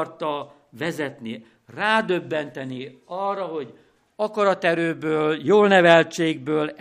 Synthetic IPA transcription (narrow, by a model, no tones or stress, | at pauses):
rt̪ɒ | vɛzɛt̪ni | raːd̪øbːɛnt̪ɛniɒrːɒɦo̞ɟ | ɒkɒɾɒt̪ɛɾøːbøːljoːlnɛvɛlt͡ʃeːɡ̚bøːl